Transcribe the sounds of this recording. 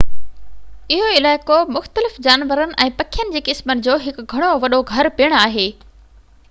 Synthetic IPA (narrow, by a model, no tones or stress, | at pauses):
ɪɦoɪlaːɪkomʊxt̪əlɪfd͡ʑaːnʋəɾənɪ̆ʔɛ̃ːpɐkʰijənɪ̆d͡ʑeːkɪsmənɪ̆d͡ʑoːɦɪkɡʱɐɽ̃oʋɐɗoɡʱɐɾpiəɽ̃aːɦeː